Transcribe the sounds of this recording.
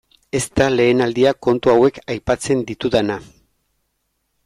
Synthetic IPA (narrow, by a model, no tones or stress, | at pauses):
e̞st̪ale̞ːnald̪iako̞nt̪uawe̞kajpat͡se̞nd̪it̪uðana